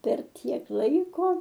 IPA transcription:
pʲɛr ˈtʲiɛk ˈlˠɐɪkoː

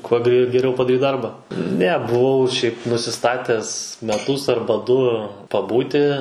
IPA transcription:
kuɔ ɡrʲɛ ɡʲɛˈrʲɛʊ pɐdɐˈrʲiːt ˈdɐrbɐ ˈnʲɛ bʊˈʋɐʊ ʃʲɛɪp nʊsʲɪˈstɑːtʲɛs mʲɛˈtʊs ˈɐrbɐ ˈdʊ pɐˈbuːtʲɪ

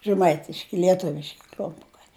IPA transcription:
ʒʲɛˈmɐɪtʲɪʃʲkʲɪ lʲiɛˈtʊʋʲɪʃʲkʲɪ klʲʊmˈpʊkɐɪ

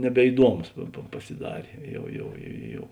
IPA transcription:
nʲɛbʲɛɪˈduɔmʊs pɐ pɐ pɐsʲɪˈdɑːrʲeː ˈjɛʊ ˈjɛʊ ˈjɛʊ

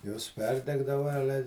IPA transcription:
joːs ˈpʲɛrʲdʲɛɡdɐʋɐ ˈɑːlʲɛ

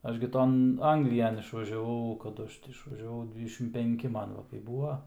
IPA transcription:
ˈɐʃ ɡʲɪ ˈtoːn ˈɐŋɡlʲɪjɛn ɪʃʋɐʒʲɛˈʋɐʊ kɐˈdʊ ˈɐʃ tʲɪ ɪʃʋɐʒʲɛˈʋɐʊ ˈdʲʋʲiːdʲɛʃʲɪm pʲɛŋʲˈkʲɪ ˈmɐn ˈʋɐ kɐɪ ˈbuːɐ

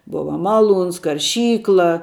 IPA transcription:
ˈbʊʋɐ mɐˈlˠuːns kɐrʲˈʃʲiːklˠɐ

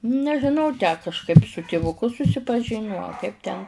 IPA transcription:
nʲɛʒʲɪˈnɐʊ tʲæː kɐʃˈkɐɪp sʊ tʲɪʋʊˈkʊ sʊsʲɪpɐˈʒʲɪnʲʊ ɐ ˈkɐɪp tʲɛn

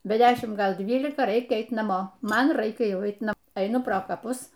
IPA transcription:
bʲɛ ˈdʲæːʃʲɪm ˈɡɐlˠ ˈdʲʋʲiːlʲɪkɐˈrɐɪkʲɛ ˈɛɪt nɐˈmoː ˈmɐn ˈrɐɪkʲɛ ˈjɛʊˈɐɪt nɐˈmoː ɛɪˈnʊ proː kɐˈpʊs

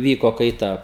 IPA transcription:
ˈʋʲiːkoː kɐɪˈtɐ

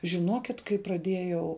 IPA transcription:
ʒʲɪˈnoːkʲɪt kɐɪ prɐˈdʲeːjɛʊ

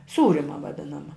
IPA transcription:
ˈsuːrʲɪmɐ ʋɐˈdʲɪnɐmɐ

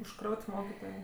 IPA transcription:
ʊʃˈkrɐʊtʲ ˈmoːkʲɪtoːjeː

